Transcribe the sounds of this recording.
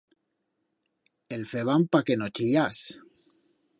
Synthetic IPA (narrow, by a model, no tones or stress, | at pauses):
elfeβampakenot͡ʃijas